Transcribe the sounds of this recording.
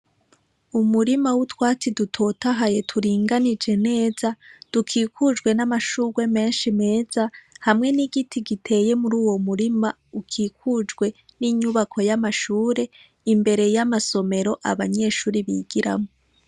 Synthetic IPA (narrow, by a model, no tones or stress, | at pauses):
umuɾimawutwaːt͡sidutʰo̞ːtaɦaje̞tʰuɾiːŋɡanid͡ʒe̞ne̞ːzad̥ukʰiːkud͡ʒɡwe̞namaʃuːɡwe̞me̞ːnʃime̞ːz̥ahamŋe̞niɡitʰiɡitʰe̞je̞muɾuːwo̞muɾima | ukʰiːkud͡ʒɡwe̞ | niɲuβakʰo̞jamaʃuːɾe̞ | imbe̞ɾe̞jamaso̞me̞ɾo̞ʔa̰βaɲe̞ːʃuːɾiβḭɡiɾa̰mo